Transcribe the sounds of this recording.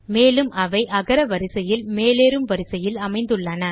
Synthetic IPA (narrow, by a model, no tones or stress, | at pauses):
meːlɯmʔɐʋɐɪʔɐɣɐɾɐʋɐɾɪsɐjɪlmeːleːɾɯmʋɐɾɪsɐjɪlɐmɐɪnd̪ɯɭːɐnɐ